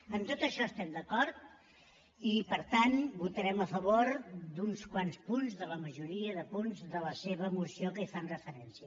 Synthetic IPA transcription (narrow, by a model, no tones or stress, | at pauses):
əmt̪ot̪əʃɔəst̪ɛmd̪əkɔɾt̪̚ | ipəɾt̪anbut̪əɾɛməfəβoɾd̪unskwanspunzðələməʒuɾiəðəpunzðələseβəːmusiokəifanrəfəɾɛnsiə